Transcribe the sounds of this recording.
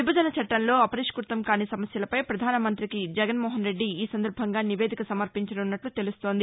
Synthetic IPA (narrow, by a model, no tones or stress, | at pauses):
ʋibɐd͡ʒɐnɐt͡ʃɐʈːɐnlo̞ːɐpɐɾiʂkuɾt̪ɐmkaːnisɐmɐsjɐlɐpɐjpɾɐd̪ʱaːnɐmɐnt̪ɾikid͡ʒɛɡɐnmɔːɦɐnɾe̞ɖːiːsɐnd̪ɐɾbʱɐŋɡaːniʋeːd̪ʱikɐsɐmɐɾpiɲt͡ʃɐɽunːɐʈlut̪e̞lust̪o̞ːnd̪i